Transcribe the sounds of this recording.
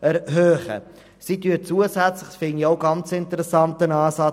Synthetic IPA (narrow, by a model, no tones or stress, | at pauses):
ʔɛɾɦøːχə̰ | sityːət͡suəsæt͡sləχsfɪŋioʊɡɑnt͡sɪntəɾəsɑntənɑːsɑ